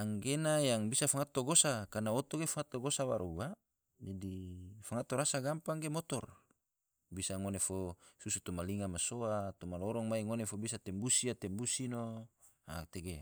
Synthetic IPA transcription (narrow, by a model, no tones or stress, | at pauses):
aŋɡenajaŋbisafaŋat̪ːoɡosakanaot̪oɡefaŋat̪ːoɡosawa̰ɾuwa | d͡ʒadifaŋat̪oɾasaɡampaŋɡemot̪ɔr | bisaŋonefosusut̪umaliŋamasoat̪umalɔɾɔŋmaiŋonefobisat̪ɛmbusiat̪ɛmbusino | a̰t̪eɡe